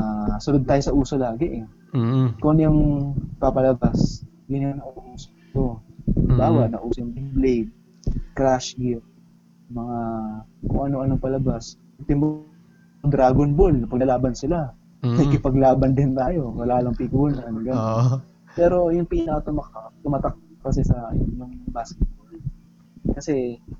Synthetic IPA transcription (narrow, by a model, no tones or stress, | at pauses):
asʊnod̪̚t̪aːjosɐʔuːso̞laːɡɪʔɛ | kʊʔɐnjʊŋpapɐlɐbas | jʊnaŋnɐʔɐʔʔuːsɐ̥ɪt̪o̞baːwɐʔnɐʔuːsɐŋd̪ɪŋblejd̪̚ | kɾaʃɡɪt̚ | mɐŋakʊ̰ŋʔɐno̞ʔɐnoŋpɐlɐbas̚ | t̪ɪmo | d̪ɾaːɡonbolpɐɡnɐlaːbɐnsɪla | ɐjkɪpɐɡlaːbɐnd̪ɪnt̪aːjo̞wɐlaːlɐŋpɪkuːnɐnɡɐnon | pɛːɾo̞jʊŋpiːnɐkɐt̪omɐkat̪ʊmat̪ɐk̚kɐsɛsɐjʊŋbaːskɛt̪̚bol | kɐsɛ